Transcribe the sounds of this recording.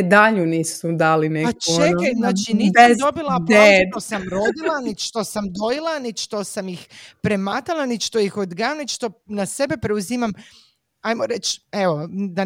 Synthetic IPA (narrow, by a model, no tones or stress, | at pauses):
d̪aʎuniːsud̪aːlinepat͡ʃueajznaːt͡ʃinid̪obilapot̪osamɾo̞d̪ilˠanit̪ʃt̪o̞samd̪ojilˠanitʃt̪osamjixpɾe̞mat̪alˠanit̪ʃt̪ojixod̪ɡamnit̪t͡ʃt̪o̞nase̞be̞pɾe̞uzimam | ajmoɾet͡ʃeʋo̞d̪a